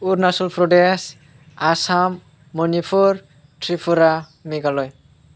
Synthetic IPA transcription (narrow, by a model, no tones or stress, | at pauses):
uɾnasɔlpʰɾɔdes | asamː | ɔnipʰuɾ | ʈɾipʰuɾa | miɡalɔj